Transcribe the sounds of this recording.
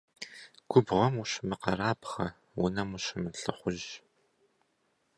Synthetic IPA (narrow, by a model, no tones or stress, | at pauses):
ɡ̥ʷʊbʁɐmuɕmɨqɐɾaːpχɐ | wʊnɐmuɕɪmɨɬɨ̰χʷʊʑ